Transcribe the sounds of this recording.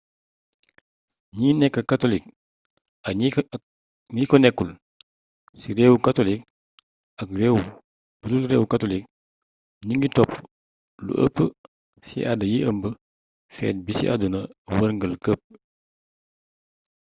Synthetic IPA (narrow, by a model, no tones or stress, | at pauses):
ɲiːnɛkːɐkatolik̚ | ɐ | ŋikonɛkːul | siɾewkatolik̚ | ɐkɾewu | b̥ululɾeːwkatolik̚ | ɲiŋɡitɔp | lṵʔə̰pːə | sḭʔadəjiʔəmbə | fɛ̰ːt̚bisḭʔa̰dunɐwəɾŋɡəlkəp̚